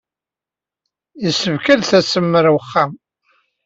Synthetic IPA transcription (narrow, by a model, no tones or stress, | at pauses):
jəsːəvkælθæsəmːəɾwəχːam